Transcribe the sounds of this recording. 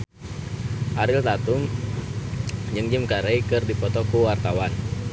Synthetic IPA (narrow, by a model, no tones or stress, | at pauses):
ʔaɾɪlt̪at̪um | d͡ʒɨŋd͡ʒimkaɾɛjkɨrdipɔt̪ɔkuwart̪awan